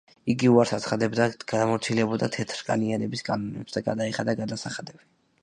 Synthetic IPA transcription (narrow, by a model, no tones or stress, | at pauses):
iɡiuaɾsat̪sʰχad̪ɛbd̪aɡ̥ad̪amɔɾt̪sʰilɛbɔd̪at̪ʰɛt̪ʰɾkʼa̰nianɛbiskʼanɔnɛpsd̪aɡad̪aiχad̪aɡad̪asaχad̪ɛb̥i